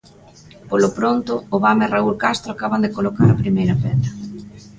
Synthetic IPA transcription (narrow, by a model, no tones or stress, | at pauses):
polopɾont̪ʊːβameraulkast̪ɾoakaβand̪ekolokaɾapɾimejɾɐpɛ̰ðɐ